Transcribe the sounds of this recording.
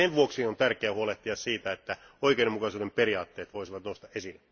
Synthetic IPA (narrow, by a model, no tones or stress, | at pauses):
enʋuoksiont̪ærkeæːhuoleht̪iɑssiːt̪æet̪ːæ | oikeidemukɑsuːdemperiɑːt̪ːeːt̪ʋoisiʋɑt̪noust̪ɑʔesilːe